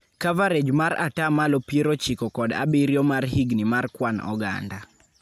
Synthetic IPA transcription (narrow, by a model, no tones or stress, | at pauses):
kavaɾed͡ʒmaɾa̰tamalɔpjeɾot͡ʃikɔkɔda̰biɾjɔmarɦiɡnimarkwanɔ̰ɡa̰nda